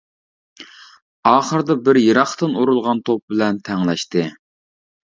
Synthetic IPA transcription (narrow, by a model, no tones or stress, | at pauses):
ɑːχəɾd̪ɑbɪɾjəɾɑχt̪ɨnuɾulˠʁɑnt̪ʰop̚bɪlɛnt̪ʰɛŋlɛʃt̪ɨ